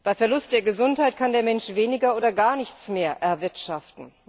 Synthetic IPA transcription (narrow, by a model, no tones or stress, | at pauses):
b̥aɪfɛɐlʊst̚d̥eːɐɡəzʊnthaɪtkʰandeːɐmɛnʃv̥eːnɪɡɐoːdɐɡaːɐnɪçt͡smeːɐʔɛɐvɪɐtʃaftn̩